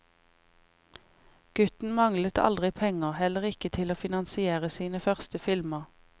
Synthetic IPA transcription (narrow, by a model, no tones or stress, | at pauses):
ɡ̥ʉt̪n̩mɑŋlət̪ʰɑ̰ld̪ʁɪpʰɛŋəhɛləʁɪkət̪ʰɪloːfɪnɑnsɪeːʁəsiːnəfœʁst̪əfɪlmə